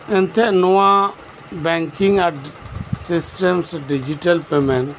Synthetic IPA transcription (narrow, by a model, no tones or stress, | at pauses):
ɛnt̪ɛʔnɔwa | bɛŋkiŋa | sisʈɛmsɖid͡ʒiʈalpɛmɛn